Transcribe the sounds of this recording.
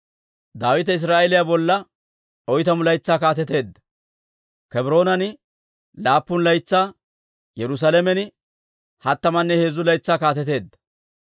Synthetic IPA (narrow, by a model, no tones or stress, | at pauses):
d̪aːwɪt̪ɐɪs̬ɾaːʔɛlɪjabɔlːɐ | ɔjt̪ɐmʊlɐjt͡sːaːkaːt̪ɛt̪e̞ːd̪ːɐ̥ | kɛbɾo̞ːnɐnɪ | laːpːʊnlɐjt͡sːaː | jɛɾʊs̬aːlɛmɛnɪ | hɐt̪ːɐmɐnːɛhe̞ːzːʊlɐjt͡sːaːkaːt̪ɛt̪e̞ːd̪ːɐ̥